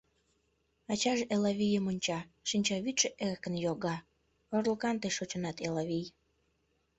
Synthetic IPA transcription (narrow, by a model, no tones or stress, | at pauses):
ɑt͡ɕɑʒelɑβijəmonʲt͡ɕɑʃinʲt͡ɕɑβyt̪ʃeʔerkənjoɣɑ | orləkɑnt̪eʃot͡ɕə̆nɑt̪elɑβij